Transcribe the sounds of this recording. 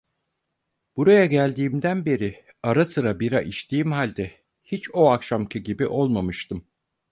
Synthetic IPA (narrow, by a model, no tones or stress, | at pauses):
b̥uɾajaɟælʲd̪iːmd̪ænbe̞ɾi | aɾasɯɾabiɾaʔiʃt̪ʰiːimhalʲd̪ɛ | hit͡ʃoakʃamcʰɯɟibiʔo̞lˠmamɯʃt̪ɯm